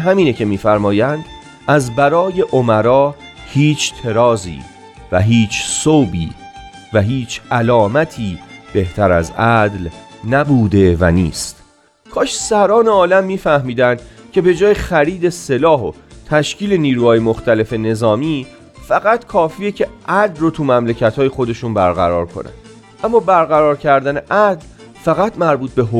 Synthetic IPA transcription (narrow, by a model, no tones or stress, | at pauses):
ɦæmiːnecʰe̞miːfæɾmɒːjænd̪ | ʔæzbæɾɒːje̞ʔomæɾɒːhiːt͡ʃʰt̪ʰe̞ɾɒːzḭː | væɦiːt͡ʃʰsowbḭː | væɦiːt͡ʃʰælɒːmæt̪ʰiːb̥e̞ht̪ʰæɾæ̰zæd̪lnæbuːd̪e̞væ̰nḭːst̪ | kʰɒːʃsæɾɒːneɒːlæmːiːfæhmiːd̪ænd̪̥cʰe̞be̞d͡ʒɒːjexæɾiːd̪e̞se̞lɒːɦot̪ʰæʃciːle̞niːɾuːhɒːjemo̞xt̪æle̞fe̞ne̞zɒːmiː | fæɣæt̪kʰɒːfiːjecʰe̞ʔæd̪lrot̪ʰumæmlecʰæt̪hɒːjexo̞d̪e̞ʃunbæɾɣæ̰ɾɒ̰ːɾkʰo̞̰nʔæ̰n | ʔæmːɒːbæɾɣæɾɒːɾcʰæɾd̪æne̞ʔæd̪l | fæɣæt̪mæɾbuːt̪̚ʰbe̞ɦo